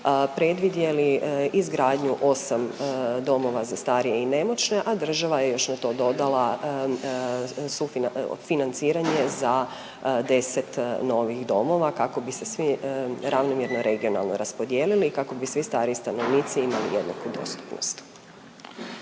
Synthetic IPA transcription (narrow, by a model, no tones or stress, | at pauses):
pɾe̞d̪ʋid̪je̞liizɡɾaːd̪ɲuʔo̞samd̪o̞mo̞ʋazast̪aːɾije̞ine̞mo̞t͡ʃne̞ʔad̪r̩ʒaʋaje̞jo̞ʃnat̪o̞ːd̪o̞d̪alˠa | sufinfinant̪siːɾaɲe̞za | d̪e̞se̞t̪no̞ʋixd̪o̞mo̞ʋakako̞bise̞sʋiɾaʋnomjeɾno̞ɾʔe̞ɡio̞na̰lˠno̞ɾaspo̞d̪jeːlilikako̞bisʋist̪aːɾist̪ano̞ʋniːt̪siimalḭjḛd̪na̰kud̪o̞̰st̪u̥pno̞̰st̪